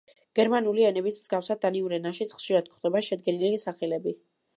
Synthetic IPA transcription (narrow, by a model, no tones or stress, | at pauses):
ɡ̥ɛɾmanuliɛnɛbismz̥ɡafsad̪aniuɾɛnaʃit̪sʰχʃiɾad̪̥̚kχd̪ɛbaʃɛd̪̚ɡɛnilisaχɛlɛbi